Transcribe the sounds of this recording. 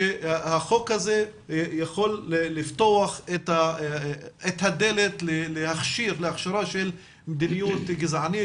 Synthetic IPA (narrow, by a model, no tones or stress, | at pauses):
ahaxoːkhazejaxolːeːɪft̪oaxʔet̪a | ʔet̪had̪elet̪lelehaxʃiːɾlɪaxʃɑɾˤɑʃel | md̪inɪjuːt̪ɡɪzʕani